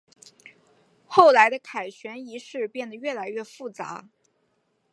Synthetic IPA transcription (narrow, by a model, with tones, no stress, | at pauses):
xo˥˩ʊla˧˥ɪd̪ə˧kʰa˨˩ɪɕɥɛ˧˥ni˧˥ʂɻ̩˥˧pjɛ˥˩nd̪ə˩ɥɛ˥˩la˧˥ɪɥɛ˥˩fu˥˩t͡sa̰˧˥